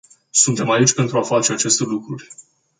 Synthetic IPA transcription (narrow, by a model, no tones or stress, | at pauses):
sunt̪e̞mait͡ʃʲpe̞nt̪ɾuafat͡ʃe̞at͡ʃe̞st̪e̞lukɾurʲ